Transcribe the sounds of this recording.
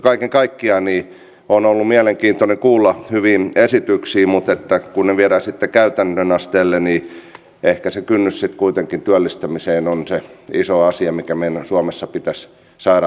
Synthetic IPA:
kɑikeŋkɑikːiɑniː | onolːumiæleŋkiːnt̪onekuːlːɑhyʋiːnesit̪yksiːmut̪et̪ːækunneʋiɛɾæːsit̪ːekæyt̪ænːønɑst̪eːlːeni | ehkæsekynːyssit̪kuit̪eŋkint̪yælːist̪æmiseːnonseisoɑsiɑmikæmeinsuɑmesːɑpit̪æs | sɑːɾɑ

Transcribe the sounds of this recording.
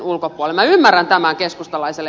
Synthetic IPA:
nulkopuolemæymːærːænt̪æmæŋkeskust̪ɑlɑiselː

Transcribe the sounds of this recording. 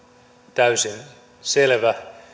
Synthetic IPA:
t̪æysen | selʋæ

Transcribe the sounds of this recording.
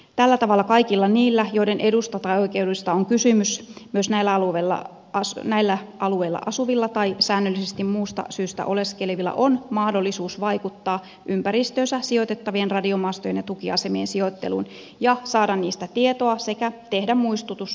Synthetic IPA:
t̪ælːæt̪ɑʋɑlːɑkɑikilːɑniːlːæjoidenʔe̞dust̪ɑt̪ɑioikeuduist̪ɑoŋkysymysmyøsnæilːæɑluʋelːɑ̰ | ɑsnæilːæʔɑlueilːɑ̰ʔɑsuʋilːɑt̪ɑisæːnːølːisest̪immuːst̪ɑ̰syːst̪æ̰ʔoleskelʋilːæ̰ʔonmɑhdo̞lːisuːsʋɑikut̪ːɑː | ʔympæɾist̪øːnsæsiot̪et̪ːɑʋienrɑdiomɑːst̪ojenjɑt̪ukiɑsemiensiot̪ːḛlṵːn | jɑsɑːdɑnniːst̪æt̪iet̪oɑsekæt̪ehdæmmuist̪ut̪us

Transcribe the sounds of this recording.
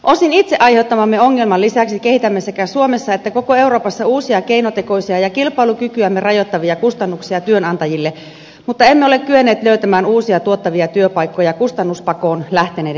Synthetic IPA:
ʔosinit̪seʔɑjheut̪ːɑmɑmːeoŋːelmɑlːisæksike̞hit̪æmːesekæsuomesːɑet̪ːæko̞koe̞uɾo̞ːpɑsːɑuːsiɑkeinot̪eko̞isiɑjɑkilpɑilukykyæmːerɑjot̪ːɑʋiɑkust̪ɑnːuksiɑt̪yønɑnt̪ɑjilːe | mut̪ːɑe̞mːeole̞kkyenːeːt̪løyt̪æmæːnuːsiɑt̪uot̪ːɑʋiɑt̪yøpɑikːojɑkust̪ɑnːuspɑkoːnlæht̪eneː

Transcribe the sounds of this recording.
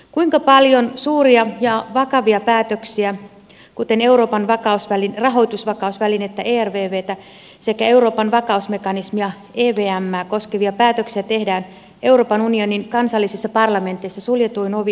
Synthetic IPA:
kuiŋkɑpɑljo̞nsuːriɑjɑʋɑkɑʋiɑpæːt̪øksiæ | kut̪e̞ne̞wɾo̞ːpɑnʋɑkɑusʋælinrɑɦo̞jt̪usʋɑkɑusʋæline̞t̪ːæʔeːærʋeːʋeːt̪æ | se̞kæe̞uɾo̞ːpɑnʋɑkɑusme̞kɑnismiɑ | eːʋeːæmːæːko̞skeʋiɑpæːt̪øksiæt̪e̞hdæːn | e̞wro̞ːpɑnunio̞ninkɑnsɑlːisisːɑpɑrlɑme̞nt̪eisːɑsuljet̪uinoʋi

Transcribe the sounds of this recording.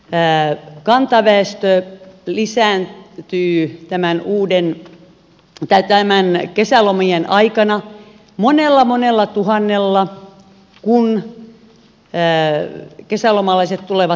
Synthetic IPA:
kɑnt̪ɑʋæest̪ølisæːnt̪yːt̪æmænuːden | t̪æt̪æmænkesælomijenʔɑikɑnɑ | monelːɑmonelːɑt̪uhɑnːelːɑ | kun | kesælomɑlɑiset̪t̪uleʋɑ

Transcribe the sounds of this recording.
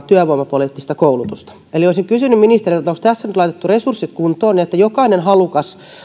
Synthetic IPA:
t̪yæʋoimːˑɑpoliˑt̪ːist̪ɑkoulut̪ust̪ɑ̥ | elioisiŋkysynːymminist̪eritːet̪ːokst̪æsːænyt̪lɑit̪et̪ːuresursːit̪kunt̪oːniet̪ːæjokɑinenhɑlukɑs

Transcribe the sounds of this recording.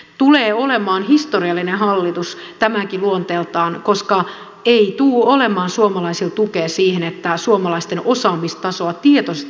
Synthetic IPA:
t̪uleːolemɑːnhist̪oriɑlːinehɑlːit̪ust̪æmækiluont̪eːlt̪ɑːnkoskɑ | eit̪uːolemɑːnsuomɑlɑisilt̪ukeːsiːhenet̪ːæsuomɑlɑist̪enʔosɑːmist̪ɑsoɑt̪iet̪oset̪

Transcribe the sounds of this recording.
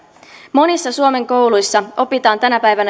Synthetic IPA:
mo̞nisːɑsuo̞me̞ŋko̞wlujsːɑo̞pit̪ɑːnt̪ænæpæjʋænæ

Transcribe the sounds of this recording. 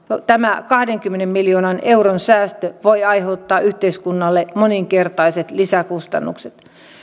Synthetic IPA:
jot̪æmækɑhdeŋkymːenemmiljoːnɑneuronsæːst̪øʋoiɑiheut̪ːɑːʔyht̪eiskunːɑlːemoniŋkert̪ɑiset̪lisækust̪ɑ̰nːṵkset̪

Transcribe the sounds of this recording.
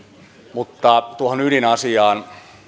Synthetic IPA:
mut̪ːɑt̪uohonylinɑsiɑːn

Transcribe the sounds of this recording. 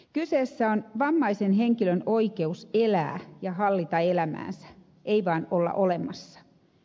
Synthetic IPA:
kyseːsːæonʋɑmːɑisenɦeŋkilønoike̞uselæ̰ːjɑɦɑlːit̪ɑelæmæ̰ːnsæ̥ | ʔeiʋɑinolːɑ̰ʔolemːˑɑsːɑ̥

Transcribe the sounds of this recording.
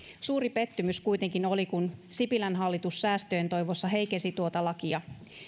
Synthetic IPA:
suːɾipe̞t̪ːymyskujt̪e̞ŋkino̞likunsipilænɦɑlːit̪usːæːst̪øjent̪o̞jʋosːɑɦe̞jkesit̪uot̪ɑlɑkiɑ

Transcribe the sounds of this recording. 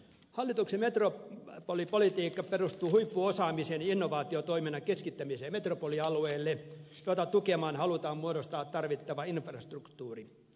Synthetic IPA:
hɑlːit̪uksemet̪ropolipolit̪iːkːɑperust̪uːhuipːuosɑːmiseninːoʋɑːt̪iot̪oiminɑkeskit̪ːæmiseːmet̪ropoliɑlueːlːe | jot̪ɑtt̪ukemɑːnhɑlut̪ɑːmmuoɾost̪ɑːt̪t̪ːɑrʋit̪ːɑʋɑinfrɑst̪rukt̪uːri

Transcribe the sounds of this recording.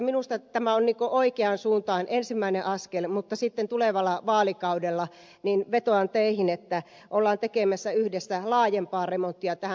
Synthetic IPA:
minust̪ɑt̪æmæonniːŋkoʔoikeɑnsuːnt̪ɑːnʔensimːæineʔɑskelmut̪ːɑsit̪ːent̪uleʋɑlːˑɑʋɑːlikɑudelːɑ | ninʋet̪oɑnt̪eihinet̪ːæ | ʔolːɑːnt̪ekemæsːæyhdesːælɑːjempɑːremont̪ːiɑt̪æhæ

